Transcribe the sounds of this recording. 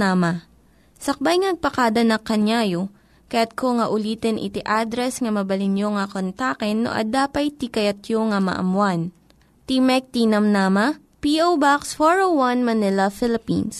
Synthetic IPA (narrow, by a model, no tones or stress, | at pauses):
aːmɐ | sɐk̚bajŋɐnɐɡ̚pɐkaːd̪ɐnɐkːɐɲjaːjo | kɐjat̪̚koŋɐʔʊliːt̪ɛnʔɪ̰t̪iʔad̪ɾɛsŋɐmɐbɐlɪnjoŋɐkont̪aːkɛnːo̰ʔɐ̰d̪aːpɐjt̪ikɐjɐt̪joŋɐmɐ̰ʔɐ̰mwan | t̪imɛk̚t̪inɐmnaːmɐ | piʔowbaksfoɹowwanmɐnɪlɐfɪlɪpḭns